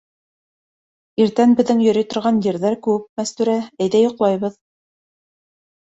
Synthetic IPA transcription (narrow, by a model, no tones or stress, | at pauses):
iɾt̪ænbɘ̆ðːɘŋjɵ̆ɾijt̪ŏɾʁɑnjɘ̆ɾðæɾkʉwɘp̚mæst̪ʉɾææjðæjŏqlˠɑjβɤð